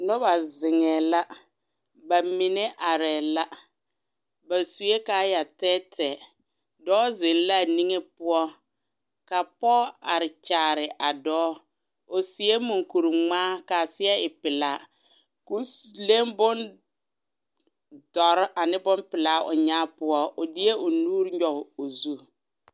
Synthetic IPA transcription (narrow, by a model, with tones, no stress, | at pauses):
nʊ˦ba˨zɪ˨ŋɛ˨la˦ | ba˨mi˨ne˦ʔa˨ɾɛː˨la˦ | ba˨su˨e˦kaː˨˦ja˨tɛː˦tʰɛː˨ | dɔː˦zɪ˨n˦la˦˨ni˦ŋe˦pʊ˦ɔ˦ | ka˨pɔː˦a˨ɾɪ˨t͡ʃaː˨ɾɪ˨ʔa˨dɔː˦ | ʊ˨sɪ˨e˦mu˨ŋku˨ɾu˨ŋ͡maː˦ka˨sɪ˦ɛ˦ɪ˨pɪ˨la˨˦ | ku˦le˦mbʊ˦n | dɔ˨ɾʔa˨nɪ˦bʊ˦npɪ˨la˨˦ʔʊ̰˨ɲa˦pʊ˦ɔ˦ʊ˨dɪ˦e˦ʊ˨nuː˦ɾɲɔ˨ɣɪ˨o˨zu˦